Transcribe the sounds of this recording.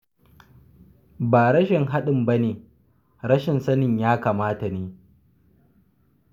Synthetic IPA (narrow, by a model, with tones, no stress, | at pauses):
baː˨ɽɐ˦ʃɪ˨ŋɦa˦ɗɪ˨mbɐ˦neː˨ | ɾɐ˦ʃɪ˨nsɐ˦nɪ˨ɲjaː˦kaː˨maː˦ta˨neː˨